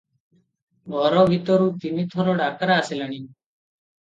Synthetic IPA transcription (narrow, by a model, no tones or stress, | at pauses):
ɡʱɔːɾoːbʱit̪oɾũːt̪iniːt̪ʰoːɾoːɖaːkɾaːseləɳ̃iː